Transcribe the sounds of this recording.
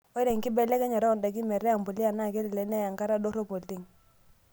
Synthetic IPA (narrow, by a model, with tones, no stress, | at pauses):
o˦ɪ˦ɾe˨ŋ˨kɪ˦bɛ˨le˦kɛ˦ɲa˨ɾa˦˨nda˨k̬i˦mɛ˨ɾɛ˦a˨m˨po˨li˦a˨na˦˨ke˦ɾi˨lɛ˨˦nɛ˦ja˨ŋka˦ɾa˦do˦ɾo˦po˨ti˦˨ŋ